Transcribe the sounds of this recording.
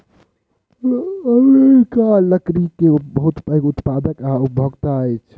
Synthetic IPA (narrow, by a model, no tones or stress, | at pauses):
əmekaləkɾikebəɦut̪əkut̪pad̪əkaup̚bʱəɡt̪aəjt͡ʃʰ